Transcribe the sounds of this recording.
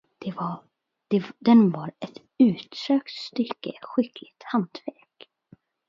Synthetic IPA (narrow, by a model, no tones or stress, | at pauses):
d̪̥ɛv | d̪̥ɛd̪ɛnvɑɾɛt̪ | ʉ̟ːt̪søːkt̪st̪ʏkːəɧɪklɪɡt̪hant̪væɾk